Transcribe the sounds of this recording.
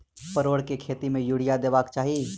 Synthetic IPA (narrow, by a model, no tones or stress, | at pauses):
pəɾoːɽkekʰeːt̪imẽjuɽ̤ijad̪eːbaːkt͡ʃaːɦie